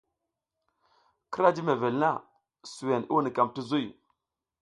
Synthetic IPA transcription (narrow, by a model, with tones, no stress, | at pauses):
ki˦ɾa˦d͡ʒi˦me˨ve˨lna˦ | su˨we˨ni˦u˦ni˨ka˨mti˦zu˦j